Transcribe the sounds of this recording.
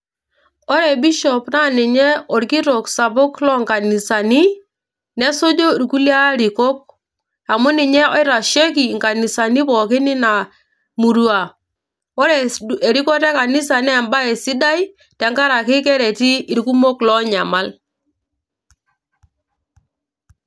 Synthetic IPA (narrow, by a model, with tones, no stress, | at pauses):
ɔ˦ɾɛ˨bi˦ʃɔ˨pna˦nɪ˨ɲɛ˦ɔ˨ɾki˦ɾɔ˨ksa˨βʊ˦klɔ˦ŋka˨ni˨sa˨ni˦ | nɛ˦so˦d͡ʒo˦i˨ɾku˦li˦a˦ɾi˨kɔ˦k̚ | a˨mʊ˦nɪ˨ɲɛ˦ɔ˦ɪ˦ɾa˨ʃe˦ki˨ŋka˨ni˨sa˨ni˦pɔ˨kɪ˦nɪ˦na˨ | mu˨ɾu˨˦a˨ | ɔ˦ɾɛ˨e˨ɾi˦kɔ˦tɛ˦ka˨ni˦sa˨nɛː˦˨mba˦e˨si˦da˦i˦ | tɛ˨˦ŋka˦ɾa˨kɪ˦kɛ˦ɾɛ˨ti˦i˨ɾku˦mo˦klɔ˦ɲa˨ma˦l